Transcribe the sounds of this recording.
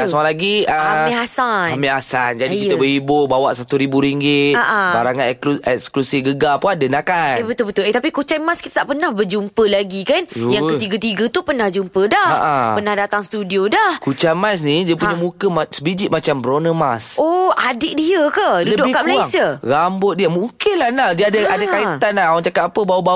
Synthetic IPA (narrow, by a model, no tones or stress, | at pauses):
asoalaɡiəamiɦasaamiasand͡ʒadikit̪əbəhibʊbawaʔsat̪uɾibuɾiŋɡɪt̪aʔabaɾaŋaɛuɛksklusifɡəɡapuadənakanebət̪ʊlbət̪ʊlet̪apikut͡ʃamaskit̪ət̪aʔpənahbəd͡ʒumpəlaɡikanjaŋkət̪iɡət̪iɡət̪upərnahd͡ʒumpədahaʔapənahdat̪aŋst̪udiodahkut͡ʃamas̬nidiəpuɲamukəmasəbid͡ʒit̪̚mat͡ʃambəɾonəmasoʔadɪʔdiəkədluləbdʊʔihkaʔkməlajsəɾambʊt̪̚diəmuŋkɪnlahnadiəadəadəkait̪anlaawaŋt͡ʃakat̪apəbawəba